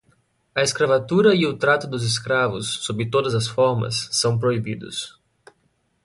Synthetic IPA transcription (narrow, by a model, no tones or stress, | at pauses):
ɐeskɾavat̪uɾɐiʊt̪ɾat̪ʊd̪ʊzes̬kɾavʊsːobɾɪt̪od̪ɐzɐsfɔɾmɐ̰sːɐ̃w̃p̬ɾoibid̪ʊ̰s